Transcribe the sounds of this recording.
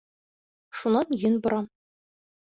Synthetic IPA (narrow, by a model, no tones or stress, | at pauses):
ʃunɑnjɘ̆nbɤ̆ɾɑ